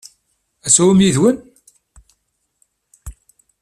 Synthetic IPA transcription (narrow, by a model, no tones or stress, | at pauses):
æsuwmjiðwən